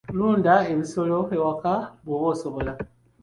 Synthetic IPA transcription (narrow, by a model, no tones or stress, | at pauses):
luːndae̞βiso̞lo̞ewakaβwoβo̞ːsoβo̞la